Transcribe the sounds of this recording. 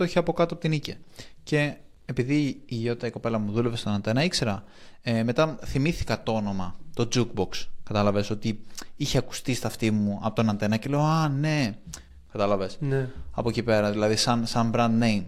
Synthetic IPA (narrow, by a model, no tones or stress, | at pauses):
t̪oçiɐpo̞kɐt̪oɐpot̪inicece̞ː | piðiːʝot̪it̪ɐiko̞pe̞lɐmuðule̞vest̪o̞nɐnt̪e̞nɐikse̞ɾɐme̞t̪ɐθimiθi̥kɐt̪oo̞no̞mɐt̪o̞d͡zuk̚bo̞kskɐt̪ɐlɐve̞so̞t̪iiçeɐku̥st̪ist̪ɐft̪imuɐ̰po̞t̪o̞nɐnt̪e̞nɐce̞leoɐne̞ | kɐt̪ɐlɐve̞snɐpo̞cipe̞ɾɐðilɐðisɐnsɐmbɾɐnd̪nejm